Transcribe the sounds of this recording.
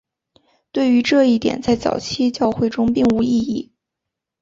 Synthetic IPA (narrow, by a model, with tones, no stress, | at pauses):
t̪we˥˩ɪy˧˥ʈ͡ʂɤ˥˧i˥˩t̪jɛ̰˨˩˦nt͡sa˥˩ɪt͡sɑ̰˨˩ʊt͡ɕʰi˥t͡ɕjɑ˥˧ʊxwe˥˩ɪʈ͡ʂʊ˥ŋpi˥˩ŋu˧˥i˥˧i˥˩